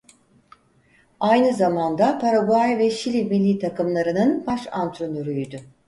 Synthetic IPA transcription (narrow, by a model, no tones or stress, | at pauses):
ajnɯzamand̪apʰaɾaɡajvɛʃilʲimilʲːiːt̪ʰakɯmlˠaɾɯnɯnbaʃant̪ʰɾonyɾyjd̪ʏ